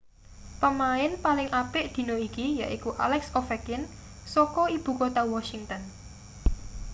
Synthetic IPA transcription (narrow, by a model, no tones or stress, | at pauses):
pəmaɪnpalɪŋʔapɪʔd̪̥i̤noikija̰ʔikuʔa̰lɛksɔfɛkɪn | sɔkɔib̥ṳkot̪awɔʃiŋt̪ən